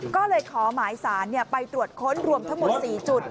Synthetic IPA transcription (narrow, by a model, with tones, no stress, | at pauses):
kɔː˥˩lɤː˧jkʰɔː˩˦maː˩˦jsaː˩˦nːi˥˩əpa˧jt̪ɾu˨˩ət̪̚kʰo˦˥nɾu˧əmt̪ʰa˦˥ŋmo˨˩t̪̚siː˨˩t͡ɕu˨˩t̪̚